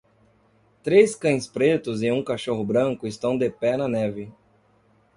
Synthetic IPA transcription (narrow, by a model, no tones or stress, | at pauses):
t̪ɾeskɐ̃j̃spɾet̪ʊzɪũkaʃoɦʊbɾɐ̃ŋkʊɪst̪ɐ̃w̃d̪epɛnɐnɛvɪ